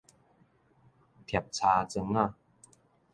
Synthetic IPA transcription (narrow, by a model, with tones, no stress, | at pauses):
t̪ʰɛ˨˩p̚t͡ɕʰaː˧t͡ɕɤ˧ŋna˥˩˨